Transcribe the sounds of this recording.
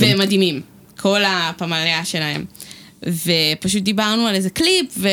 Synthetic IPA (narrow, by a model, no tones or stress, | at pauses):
vemadimim | kʰo̞lapamaleaʃelae̞̰m | vepaʃut̚dibaʁnualezeklipve